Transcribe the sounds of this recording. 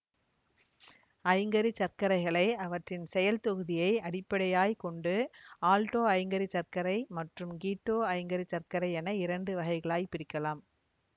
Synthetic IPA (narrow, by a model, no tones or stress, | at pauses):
ɐjŋɡɐɾit͡ʃɐɾkɐɾɐɪɣɐɭɐɪɐʋɐʈrɪnsɛjɐlt̪ɔɣɯðɪjɐɪɐɽɪpːɐɽɐjaːjkɔɳɖɯaːlʈoːɐjŋɡɐɾit͡ʃɐɾkɐɾɐɪmɐʈrɯmɡiːʈːoːɐjŋɡɐɾit͡ʃɐrkɐɾɐɪɛnɐɪɾɐɳɖɯʋɐɣɐɪɣɐɭaːjpɪɾɪkːɐlaːm